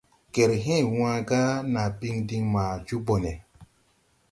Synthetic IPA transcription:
kɛ˨ɾɦɛ̃˦˨w̃ã˧ɡa˦na˨bi˦ŋdi˦ŋma˨d͡ʒu˦bɔ˨nɛ˨

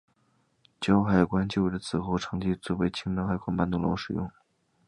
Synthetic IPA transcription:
t͡ɕjɑ˥ʊxa˨˧˩ɪkwa˥nt͡ɕjo˥˧ʊwe˧˩d̪ə˧˩t͡sʰɹ̩˨˩xo˥˩ʊʈ͡ʂʰɤ˧˥ŋt͡ɕi˥˧t͡swɔ˥˧˩we˥ɪt͡ɕʰi˥ŋna˥xa˧˩ɪkwa˥npa˥˧nt̪ʊ˥˩ŋlo̰˧˥ʊʂɻ̩˨˩jʊ˥˩ŋ

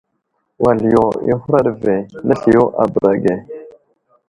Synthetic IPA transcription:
wa˨ljo˨ḭ˦xu˦ɾa˦ɾve˨na˦ɬi˨jo˦ʔa˨bə˨ɾa˨ɡe˨

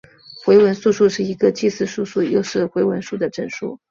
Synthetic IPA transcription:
xwe˧˥ɪwə˧˥nsu˥˧ʂu˥˧ʂɻ̩˥˩i˧˥ɡə˧t͡ɕi˥˧sɹ̩˥˧ʂu˥˧ʂu˥˩jo˥˧ʊʂɻ̩˥˩xwe˧˥ɪwə˧˥nʂu˥˩d̪ə˩ʈ͡ʂə˥˩nʂṵ˥˩

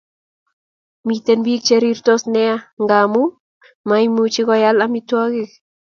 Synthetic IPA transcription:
mi˧t̪e˧nbi˦k̚t͡ʃe˧ɾi˧ɾt̪o˦sne˧a˧ŋɡa˧mu˦ | ma˧jmu˧t͡ʃi˧ɣa˧ja˦la˧mi˧t̪wa˦ɣi˦k

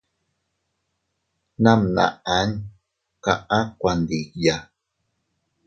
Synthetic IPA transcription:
nã˦mnã̰˨ʔa˨˦n | ka˨ʔã˦kʷa˨nd̪i˨kja˨

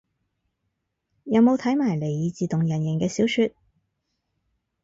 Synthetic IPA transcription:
jɐ˨˧wmo˨˧wt̪ʰɐ˨˥jmaː˨˩jle˨˩jiː˨˧t͡siː˨t̪ʊ˨ŋjɐ˨˩njɪ˨˩ŋkɛː˧siː˨˥wsyː˧t̚

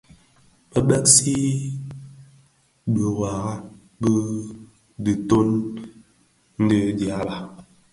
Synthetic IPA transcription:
bə˦ɓɛ˦ksi˦ | bə˨wa˨ɣa˦ | bə˦ | di˨to˦n | n̩˦də˦d͡ʒja˨˦ba˨

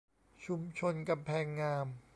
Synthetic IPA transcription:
t͡ɕʰu˧mt͡ɕʰo˧nka˧mpʰɛː˧ŋːaː˧m

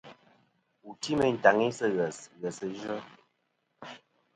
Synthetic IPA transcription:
u˨ti˦mə˦˨n̩˨ta˨ŋi˦sə˦ɣə˨sɣə˨sə˨ʒə˦

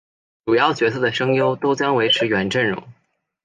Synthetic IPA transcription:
ʈ͡ʂu˨˩jɑ˥˩ʊt͡ɕɥɛ˧˥sʰɤ˥˩d̪ə˩ʂɤ˥ŋjo˥ʊt̪o˥ʊt͡ɕjɑ˥ŋwe˧˥ɪʈ͡ʂʰɻ̩˧˥ɥɛ˧˥nʈ͡ʂə˥˩nɻʊ̰˧˥ŋ

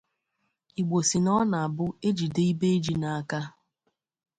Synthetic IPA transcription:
i˨ɡ͡bo˨si˨nɔ˦na˨a˨bʊ˦e˦d͡ʒi˨de˦i˦be˦e˦d͡ʒi˦na˨a˨ka˦

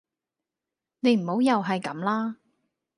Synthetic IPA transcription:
ne˨˧jm̩˨˩ho˨˥wjɐ˨wɦɐ˨jkɐ˨˥mlaː˥

